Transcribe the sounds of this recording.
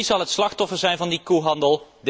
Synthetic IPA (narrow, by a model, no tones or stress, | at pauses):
izɑlˠətslɑxtɔfəɹzɛjnvɑndikuɦɑndəlˠd